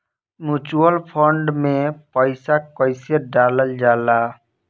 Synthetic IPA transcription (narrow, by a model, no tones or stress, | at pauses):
mjut͡ʃuəlpʰəɳɖmẽpəɪsakəɪseɖaləld͡ʒala